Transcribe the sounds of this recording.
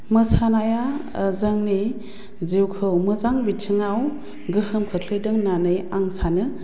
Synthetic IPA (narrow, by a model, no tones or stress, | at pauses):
mɯsanaja | zɐŋni | zewkʰɯwmɯzaŋbitʰɯŋaw | ɡɯhɯmkʰɯkʰlɯjdɯŋnanɯjaŋsanɯ